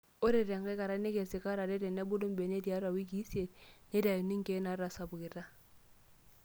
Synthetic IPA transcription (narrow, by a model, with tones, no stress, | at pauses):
o˦ɾɪ˨ɾɛ˨ŋ̩kɛ˦ka˨ɾa˦ne˦ke˨sɪ˨ka˦ɾa˨dɪ˦ɾɛ˨ne˦bʊ˦dʊ˦m˦be˨ne˦di˨a˦ɾa˨wi˦ki˦se˨dne˦da˨jo˨ni˦ŋ̩˦ke˦na˨˦ɾa˨sa˨bʊ˨kɪ˨ta˦